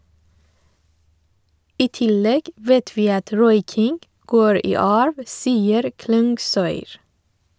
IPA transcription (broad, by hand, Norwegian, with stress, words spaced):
ˈiː ˈtɪˌlɛɡ ˈʋɛt ˈʋiː ˈɑt ˈɾɔʏkɪŋɡ ˈɡoːɹ ˈiː ˈɑːɹʋ ˈsiːəɾ ˈklʉŋɡˌsœʏɾ